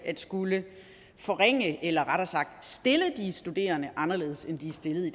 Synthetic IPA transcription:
æd̥sɡ̥ulə | fɒ̽ʁeŋ̰əelɐʁaɾ̥ɐsɑ̈ɡ̥̚d̥sd̥e̝ləd̥isd̥ud̥e̝̰ːɐnəʔɑ̈nɐle̝̰ːð̩ˠsend̥iæsd̥e̝ləð̩ˠi̥

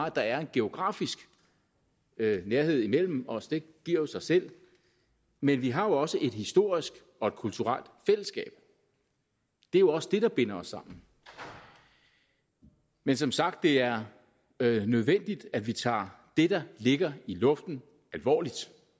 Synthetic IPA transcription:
æd̥ɑ̈æɐe̝nɡ̥e̝o̝ɡ̥ʁɑ̈ːfisɡ̥ | neɐɦe̝ð̰ˠimel̰m̩ɒ̽sd̥e̝ɡ̥iɐ̰josɑ̈ɪsel̰ | menʋiɦɑ̈jo̝ɒ̽səʔe̝d̥hisd̥o̝ːɐ̰isɡ̥ | ɒ̽e̝d̥̚kʰult͡sʰuʁal̰d̥fel̰əsɡ̥ɛ̰ːb̥ | d̥e̝æjo̝ɒ̽səd̥e̝ɾ̥ɑ̈b̥e̝n̰ɐɒsːɑ̈m̰n̩ | mensɒ̽msɑ̈ɡ̥̚d̥ːe̝æɐ | nøð̞ˠʋen̰d̥id̥æd̥ʋit͡sʰɑ̰̈ː | d̥e̝d̥ɑ̈le̝ɡ̥ɐilɔ̽fd̥n̩ | ælʋɒ̰ːlid̥

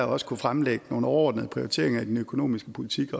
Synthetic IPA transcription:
ɒ̽sə̥kʰufʁamleɡ̥əno̝ːn̩ɒɒ̰ːd̥nəð̞̩ˠpʰʁioʁit͡sʰe̝̰ɐeŋɐid̥enøkʰo̝no̝̰ːmisɡ̥əpʰo̝lit͡sʰiɡ̥ɒ

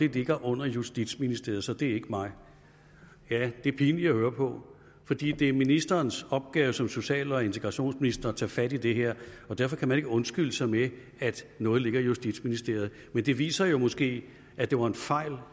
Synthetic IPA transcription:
e̝le̝ɡ̥ɐʔɔ̽n̰ɐjusd̥id̥sminisd̥e̝ɐ̰ð̩ˠsɒ̽d̥e̝æɐe̝ɡ̥əmɑ̈ɪ | jæd̥e̝pʰiːniæhøːɐpʰɒ̽ | fɒ̽d̥ḭːd̥e̝minisd̥ɐːnsɒ̽b̥̚ɡ̥ɛːʊəsɒ̽mso̝ɕɛ̰ːlɒ̽e̝nt͡sʰe̝ɡ̥ʁɑ̈ɕo̝̰ːnsminisd̥ɐt͡sʰɛ̰ːfæd̥id̥e̝ɦeɐ̰ɒ̽d̥æɐfɒ̽kʰæmæne̝ɡ̥əɔ̽nsɡ̥yləsɑ̈ɪme | æd̥nɔ̽ːð̞̩ˠle̝ɡ̥ɐijusd̥id̥sminisd̥e̝ɐ̰ð̞̩ˠ | mend̥e̝ʋḭːsɐjo̝mɔ̽sɡ̥e̝̰ː | æd̥e̝ʋɑ̈e̝nfɑ̈ɪ̰l

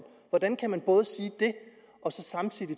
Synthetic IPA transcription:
ʋɒd̥ænkʰæmænb̥ɔ̽ːð̞ˠəsiːd̥e̝ | ʔɒ̽sɒ̽sɑ̈mt͡sʰið̰ˠi

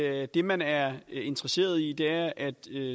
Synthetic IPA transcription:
d̥e̝mænæɐe̝nd̥ʁɐse̝̰ːɐð̞ˠid̥e̝æɐʔæd̥ø

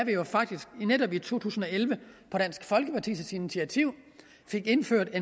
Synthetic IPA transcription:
æʋjofɑ̈ɡ̥̚d̥isɡ̥neɾ̥ɒ̽b̥it͡sʰo̝̰ːt͡sʰṵːsn̩ɒ̽elʋəpʰɒ̽ɾ̥æn̰sɡ̥fɒ̽lɡ̥əpʰɑ̈t͡sʰḭsəsinit͡sʰiæt͡sʰiʊ̰ | fe̝ɡ̥e̝nføɐ̰d̥e̝

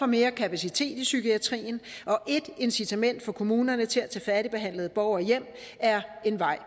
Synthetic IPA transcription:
ɒ̽me̝ːɐkʰæpʰæsit͡sʰe̝̰ːd̥isykʰiæt͡sʰʁḭːn̩ʔɒ̽ʔe̝d̥e̝nsit͡sʰæmen̰d̥fɒ̽kʰo̝muːnɐnət͡sʰe̝læt͡sʰɛ̰ːfæɾ̥ib̥e̝ɦæn̰ləð̞̩ˠəb̥ɒʊɐjem̰ | æɐe̝nʋɑ̈ɪ̰

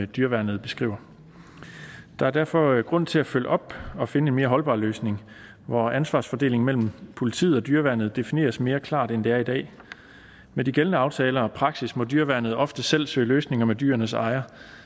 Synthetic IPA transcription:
d̥yːɐʋæɐnð̞̩ˠb̥e̝sɡ̥ʁḭʊ̰ɐ | d̥ɑ̈æɐ̥æɐfɒ̽ɡ̥ʁɔ̽n̰t͡sʰe̝læfølʔɒ̽b̥ɒ̽fe̝nəe̝nme̝ːɐɦɒ̽lb̥ɑ̰̈ːløːsne̝ŋ | ʋɒænsʋɑ̈ːsfɒ̽d̥e̝ːle̝ŋmel̰m̩pʰo̝lit͡sʰḭð̩ˠɒ̽d̥yːɐʋænð̞̩ˠd̥e̝fine̝̰ːɐsme̝ːɐkʰlɑ̰̈ːd̥end̥e̝æɐidɛ̰ː | med̥iɡ̥elnəɑ̈ʊt͡sʰɛːlɐɒ̽pʰʁɑ̈ɡ̥sismɒ̽dyːɐʋæɐnð̩ˠɒ̽fd̥əsel̰sø̰ːløːsne̝ŋɐmed̥y̰ːɐnəsɑ̈ɪɐ

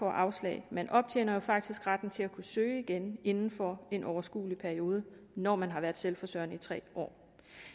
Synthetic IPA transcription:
ɒ̰ʔɑ̈ʊslɛ̰ɪmenʔɒ̽b̥̚t͡sʰḛːnɐjo̝fɑ̈ɡ̥̚d̥isɡ̥ʁad̥n̩t͡sʰe̝lækʰusøːɪiɡ̥ene̝nn̩fɒe̝nʔɒʊɐsɡ̥ṵːlipʰæɐio̝ːð̞ˠə | nɒːmænɦɑ̈ʋæːɐð̥ˠselfɒsœɐ̰nəit͡sʰʁɛ̰ːʔɒ̰ː

